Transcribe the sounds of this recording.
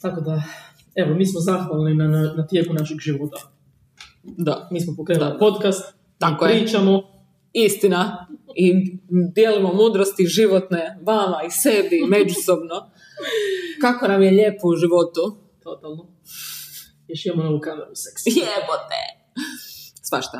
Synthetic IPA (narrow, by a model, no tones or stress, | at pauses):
t̪akod̪a | eʋomiːsmozaxʋalˠninanat̪je̞kunaʃiɡʒiʋot̪a | d̪amiːs̬mopokɾenulipot̪kast̪ | t̪ːaipkojɾiːt͡ʃamo | ist̪inaid̪jelimomuːd̪ɾost̪iʒiʋo̞t̪ne̞ʋamaise̞bime̞d͡ʒusobno | kakonamjeʎe̞ːpuuʒiʋo̞t̪u | t̪ot̪alˠno | jeʃijemonoʋukameɾuseksepot̪ḛ | sʋaʃt̪a